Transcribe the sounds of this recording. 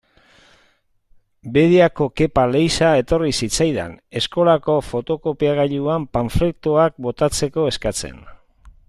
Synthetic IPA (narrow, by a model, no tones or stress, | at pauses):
be̞ðiako̞ke̞pale̞jsae̞t̪o̞risit͡sajðḛne̞sko̞lako̞fo̞t̪o̞ko̞piaɣaʎuampaɱflek̚t̪uak̚bo̞t̪at͡se̞ko̞e̞skat͡se̞̰n